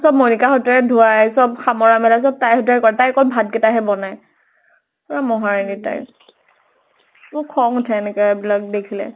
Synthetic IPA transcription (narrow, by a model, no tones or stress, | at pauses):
sɔb̚monikaxɔtɛɹɛdʱuajsɔbxamɔɹamɛlas̬ɔb̚tajhɔtɛɹɛkɔɹɛtajkɔlbʱad̚kɛtaɦɛbɔnaj | ɔɹamɔɦaɹinita̰j | mʊkʰɔŋtʰɛɛnɛkabilak̚dekʰilɛ̰